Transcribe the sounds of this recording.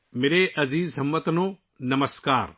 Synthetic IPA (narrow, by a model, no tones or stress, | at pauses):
meːɾeʔɐziːzɦɐmːət̪nõː | nɐməskaːɾ